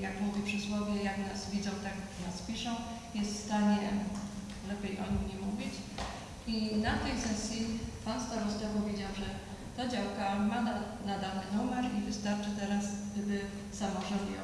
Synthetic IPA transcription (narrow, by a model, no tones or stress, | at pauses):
jakmuvʲipʂɨswɔvʲjɛjaknasvʲid̪zɔ̃w̃t̪ak | naspʲiʂɔ̃w̃ | jɛst̪fst̪aɲɛ | lɛpʲjejʔɔ̰ɲiɲɛmuvʲit͡ɕ | inat̪ɛjsɛsʲjipanst̪aɾust̪ɛpɔvʲjed͡ʑawʐɛ | t̪ad͡ʑawkama | nad̪alnɘnumɛɾivɘst̪aɾt͡ʂɘt̪ɛɾasd̪ɘbɘ | samɔʐɔnd̪ɛ̰